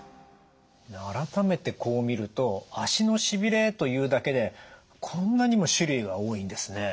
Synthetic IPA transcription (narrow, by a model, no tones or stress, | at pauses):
aɾat̪ame̞t̪e̞kʰo̞ːmʲiɾɯ̟t̪o̞aɕino̞ɕibʲiɾe̞t̪o̞jɯ̟ːd̪ake̞d̪e̞ | kʰõ̞nːaɲ̟imo̞ɕiɾɯiɡaoːĩnd̪e̞sɨne̞